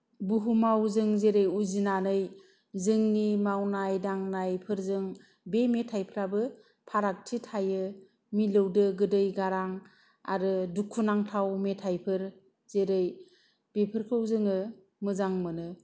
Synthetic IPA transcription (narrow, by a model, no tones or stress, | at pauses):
buɦumawzɯŋzeɾɯjuzinanɯj | zɯŋnimawnajdaŋnajpʰɯɾzɯŋ | bemetʰajpʰɯɾabɯ | pʰaɾak̚tʰitʰajɯ | milɯwdɯɡɯdɯjɡaɾaŋ | a̰ɾɯdukʰːunaŋtʰawmetʰajpʰɯɾ | zeɾɯj | b̥epʰɯɾkʰɯwzɯŋɯ | mɯzaŋmɯnɯ